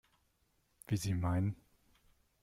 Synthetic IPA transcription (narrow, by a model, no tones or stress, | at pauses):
viːziːmaɪnən